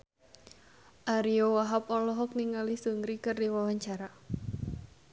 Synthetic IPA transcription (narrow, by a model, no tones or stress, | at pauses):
ʔaɾiowaɦapɔlɔɦɔk̚niŋalisuŋɾikɨrdiwawaɲt͡ʃaɾa